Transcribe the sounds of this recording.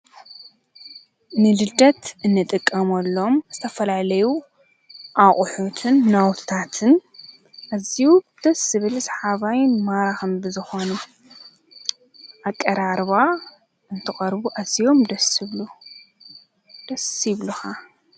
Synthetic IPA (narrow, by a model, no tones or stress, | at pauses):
nɨlɨd̪ɐt̪ʔɨnːɨt̪ʼɨkʼːɐmɐlːo̞mz̥ɨt̪ʰɐfɐlalɐju | ʔaχʼʊħut̪ʰɨnːawt̪ʰɨ̥t̪ʰat̪ʰɨn | ʔaziud̪̥ɐsɨβɨlsħaβajɪnmaɾaxɨmbɨzɨxonɨ | ʔakʼːɐɾaɾβa | ɨnt̪ʰɨχʼɐɾbuʔazːijo̞md̪ɐsɨβlu | d̪̥ɐsiβluxa